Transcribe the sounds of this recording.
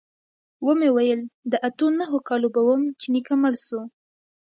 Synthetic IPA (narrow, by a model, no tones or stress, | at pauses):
wəmewajəld̪əʔat̪onaɦokɑlobawəmt͡ʃinikaməɽso